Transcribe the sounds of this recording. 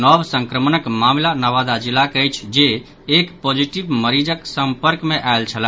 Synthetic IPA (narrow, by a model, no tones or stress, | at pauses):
nɔbsə̃ŋkɾəmənəkmamlanəʋad̪ad͡ʒilːakəjt͡ʃʰd͡ʒeː | kpod͡ʒiʈibməɾid͡ʒəksəmpəɾkmeʔajlt͡ʃʰəlɛ